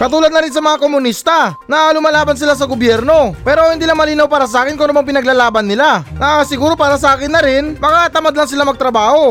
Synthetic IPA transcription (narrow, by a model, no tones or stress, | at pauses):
kɐt̪uːlɐd̪̚nɐɾɪns̬ɐmɐŋakomʊnist̪ɐnɐlʊmɐlaːbɐns̬ɪlas̬ɐɡobjɛɾno̞pɛːɾo̞hɪnd̪iːlaŋmɐliːnɐwpaːɾɐs̬ɐʔaːkɪnkʊnʊmaŋpɪnɐɡ̚laːlaːbɐnːɪlanɐsɪɡuːɾo̞paːɾɐs̬ɐʔaːkɪnːɐɾɪnmɐkaʔɐt̪ɐmad̪lɐŋsɪlamɐɡ̚t̪ɾɐbaːho̞